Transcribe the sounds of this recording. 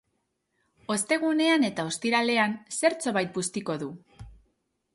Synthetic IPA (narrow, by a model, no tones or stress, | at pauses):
o̞st̪e̞ɣ̞une̞ane̞t̪ao̞st̪iɾale̞anse̞ɾt͡so̞βajt̪̚bust̪iko̞ðu